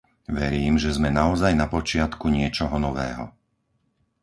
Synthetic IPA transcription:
ʋɛɾiːmʒɛzmɛnaɔzajnapɔt͡ʃɪat̪kuɲɪɛt͡ʃɔɦɔnɔʋɛːɦɔ̰

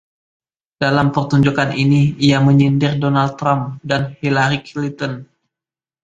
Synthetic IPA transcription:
d̥alampərt̪uɲd͡ʒukanʔiniijaməɲindɪrdonal̚t̪ːɾamdanhilaɾikilint̪ɔn

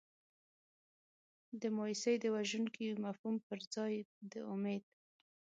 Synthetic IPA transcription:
d̪əmɑisəjd̪əwaʒuŋkimafhumpəɾd͡zɑjd̪əʊmed̪̚

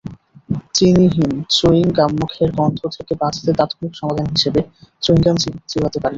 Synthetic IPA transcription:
t͡ɕiniɦint͡ɕoiŋkamːukʰeɾkɔnt̪ʰot̪ʰekebãt͡ɕʰḁt̪et̪at̪ʰomikʃɔmad̪ʱanɦiʃebet͡ɕoiŋkamt͡ɕit͡ɕiɦat̪epaɾi

